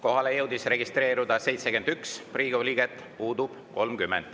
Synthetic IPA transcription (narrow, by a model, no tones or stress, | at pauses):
ko̞ɦɑlejɤwd̪̥isre̞ɡist̪re̞ːɾud̪̥ɑse̞jt̪sekend̪ykspriːɡ̥olʲiːɡ̥et̪ːˑ | puːd̪ub̥ko̞lmkymːend̪̥